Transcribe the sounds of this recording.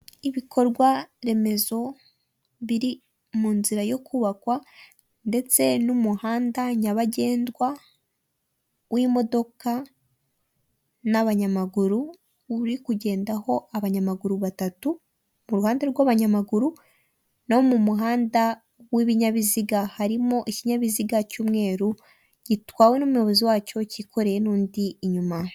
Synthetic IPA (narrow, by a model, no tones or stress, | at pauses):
iβikʰo̞ɾɡwaɾe̞me̞zo̞ | βiɾi | muːnziɾajo̞kuβakwa | nde̞t͡se̞numuhaːndaɲaβaɟe̞ːndwa | wimo̞do̞ka | naβaɲamaɡuɾu | uɾikuɟe̞ːndaho̞aβaɲamaɡuɾuβatatu | muɾuhaːndeɾɡwaβaɲamaɡuɾu | nahomumuɦaːnda | wiβiɲaβiziɡahaɾimoʔiciɲaβiziɡacuːmŋe̞ːɾu | ɟ̥itwaːwenumujoβoziwaːco̞cikʰo̞ɾe̞jenuːndiːɲuma